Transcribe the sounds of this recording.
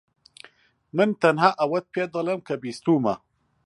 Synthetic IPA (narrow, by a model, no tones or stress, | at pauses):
mənt̪anhaʔawat̪̚pjad̪alɐmkabist̪uma